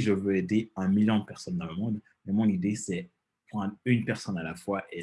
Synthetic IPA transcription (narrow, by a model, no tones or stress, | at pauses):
ʒəvøed̪eɛ̃miljɔ̃d̪əpɛʁsɔnd̪ɑ̃ləmɔ̃d̪ | mɛmɔ̃nid̪esɛ | pχɑ̃d̪ynpɛʁsɔnalafwaʔe